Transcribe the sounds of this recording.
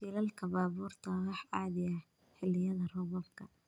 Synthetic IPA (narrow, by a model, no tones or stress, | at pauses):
iːlɐlkʰɐbaːβuːrt̪ʰɐwɑħɑːðɪjɐ | ħɪlɪjɐðɐrʊβɔbkʰɐ